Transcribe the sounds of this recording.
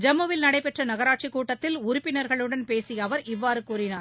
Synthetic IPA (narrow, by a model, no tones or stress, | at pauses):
d͡ʒɛmːɐʋɪlnɐɽɐɪpɛʈrɐnɐɣɐɾaːʈ̚t͡ʃɪkːuːʈːɐt̪ːɪlʊɾʊpːɪnɐɾɣɐɭɯɽɐnpeːsɪjɐʋɐɾɪʋːaːɾɯkuːɾɪnaːɾ